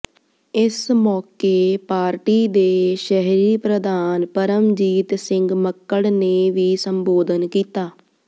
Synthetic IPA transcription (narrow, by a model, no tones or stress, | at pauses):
ɪsmɔːkeːpaːɾʈiːd̪eːʃəɦɾiːpɾəd̪aːnpəɾəmd͡ʒiːt̪sɪŋɡməkːəɽneːʋiːsəmboːd̪ənkiːt̪aː